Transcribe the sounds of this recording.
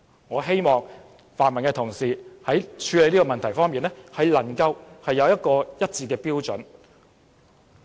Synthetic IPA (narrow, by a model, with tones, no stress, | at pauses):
ŋɔː˨˧ɦe˥jmɔː˨ŋ | faː˨˩nmɐ˨˩nkɛː˧t̪ʰʊ˨˩ŋsiː˨hɐ˨˥jt͡ʃʰyː˨˧le˨˧jniː˥kɔː˧mɐ˨nt̪ʰɐ˨˩jfɔː˥ŋmiː˨nɛ˥hɐ˨jlɐ˨˩ŋkɐ˧whɐ˨jːɐ˨˧wjɐ˥t̚kɔː˧jɐ˥t̚t͡siː˧kɛː˧piː˥wt͡sɵ˨˥n